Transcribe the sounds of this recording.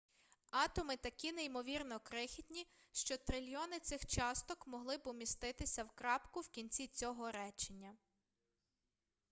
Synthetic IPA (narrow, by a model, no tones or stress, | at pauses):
ɑt̪ɔmɪt̪ɐkʲineimɔʋʲirnɔkɾɪxʲidʲnʲi | ʃt͡ʃɔt̪ɾɪlʲjɔnɪt̪sɪxt͡ʃɑst̪ɔkmɔɦlˠɪbʊmʲist̪ɪt̪ɪsʲɐwkɾɑpkʊwkʲinʲt͡sʲit͡sʲɔɦɔɾɛt͡ʃenʲːɐ